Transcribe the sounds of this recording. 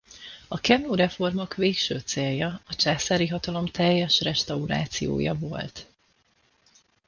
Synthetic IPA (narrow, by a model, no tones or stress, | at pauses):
ɒkɛmoːɾɛfo̞rmokveːkʃøːt̪seːljɒɒt͡ʃaːsaːɾiɦɒt̪ɒlo̞mt̪ɛjːɛʃrɛʃt̪ɒuɾa̰ːt̪sijo̰ːjɒ̰vo̞̰lt̪